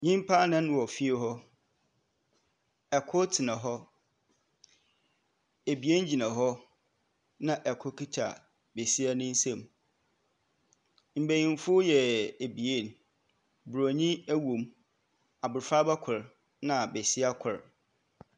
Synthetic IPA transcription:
ɲĩ˦m˦pʰa˦nɪ̃˦n˦wɔ˨fi˦e˦ɦɔ˦ | ɛ˨kʰʊ˦tʰɪ˨nã˨ɦɔ˦ | e˨bi˨e˦ɲ˦d͡ʑi˨nã˨ɦɔ˦ | nã˦ʔɛ˨kʰʊ˦kʰi˦tʰa̰˨ | be˨si˦a˦nʊ̃˦n̩˦sɛ̃˦˨m | m̩˨bæ˨jĩ˨n˦fʊ˦jɛ˨e˨bi˨e˦˨n | bɾo˨ɲĩ˦æ˦wũ˨m | a˨bʊ˨ɾfa˦ba˦kʰʊ˨ɾ | nã˨be˨si˦a˦kʰʊ˨ɾ

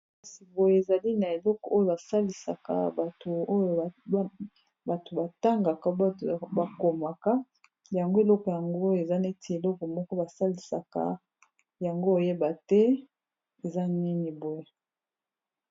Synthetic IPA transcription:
a˨si˨bo˨je˨e˨za˨li˦na˨e˨lɔ˦kɔ˨ʔo˦jo˨ba˨sa˦li˨sa̰˨ka̰˨a˨to˨o˦jo˨˦ | ba˨to˨ba˨ta˦ŋɡa˨ka˨˦˨ba˨ko˨ma˨ka˦ | ja˨ŋɡo˦e˨lɔ˦kɔ˨ja˨ŋɡo˦jo˨e˨za˦ne˦ti˨e˨lɔ˦kɔ˨mɔ˦kɔ˦ba˨sa˦li˨sa̰˨ka̰˦ | ja˨ŋɡo˦˨je˦ba˨tɛ˦ | e˨za˦ni˦ni˨bo˨je˨

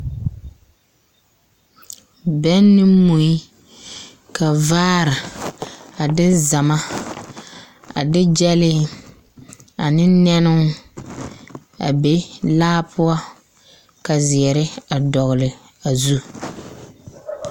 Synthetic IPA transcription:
bɛ˦nːɪ˦mu˨i˦ | ka˨vaː˦ɾa˨ | a˨dɪ˦za˨ma˦ | a̰˨dɪ˦d͡ʒɛ˦lɪ˦ | a˨nɪ˦nɛ˦nʊ˦ŋ | a̰˨be˦laː˦pʰʊ˦ɔ˦ | ka˨zɪ˨ɛ˨ɾɪ˦a˨dɔ˨ɣʊ˨lɪ˨ | a˨zu˦

